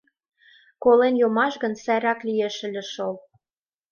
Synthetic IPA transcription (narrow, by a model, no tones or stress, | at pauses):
kolenjomɑʃɣə̆nsæjɾɑklijeʃɘ̆lʲɘ̆ʃol